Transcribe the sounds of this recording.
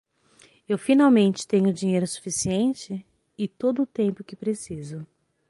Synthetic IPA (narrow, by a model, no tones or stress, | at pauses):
ewfinawmẽnt͡ʃɪ̥t̪ẽɲʊd͡ʒiɲejɾʊsu̥fisiẽnt͡ʃɪ | ɪt̪od̪ʊːt̪ẽmpʊkɪpɾesizʊ